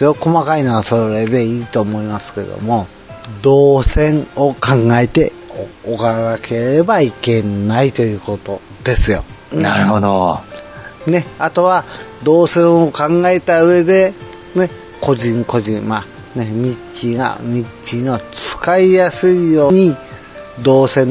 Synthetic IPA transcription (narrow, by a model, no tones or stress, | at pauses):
joko̞makainoɡasoɾɾe̞d̪e̞iːt̪o̞ːmo̞imasɨ̥ke̞̰d̪o̰mo̞ | d̪o̞ːsẽ̞ɴokãŋɡaet̪e̞ | okanakʰe̞ɾebaike̞nait̪o̞jɯ̟ːko̞t̪o̞ | d̪̥e̞sɨjo̞̰naɾɯhod̪o̰ | ne̞at̪o̞βad̪o̞ːsẽ̞ɰ̃okãŋɡaet̪aɯ̟e̞d̪e̞ | ne̞ | ko̞ʑĩŋko̞ʑĩŋma | ne̞mʲit͡ɕiɡa̰mʲit͡ɕino̞t͡sɨ̥kaijasɨijo̞ːɲ̟i | d̪o̞ːsẽ̞n